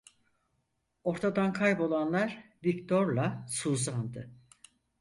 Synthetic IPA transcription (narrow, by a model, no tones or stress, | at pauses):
o̞ɾt̪ʰad̪ankʰajpo̞lˠanlˠaɾ | vict̪ʰo̞ɾlˠasuːzand̪ɯ